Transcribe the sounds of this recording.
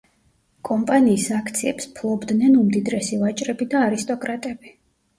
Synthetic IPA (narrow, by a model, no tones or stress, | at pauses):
kʼɔmpʼaniːsakʰt̪sʰiɛpspʰlˠɔbd̪nɛnumd̪id̪ɾɛsivat͡ʃʼɾɛbid̪aːɾist̪ʼɔkʼɾat̪ʼɛb̥i